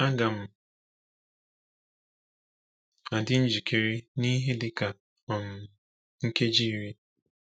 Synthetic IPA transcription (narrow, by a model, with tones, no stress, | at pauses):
a˦ɡa˨m̩˨ | a˨dɪ˦n̩˦d͡ʒi˨kʰe˨ɾi˦ni˦ɦe˦dɪ˦ka˨ | ɔ˨m̩˨ | ŋ̩˦ke˦d͡ʒi˦˨ɾi˦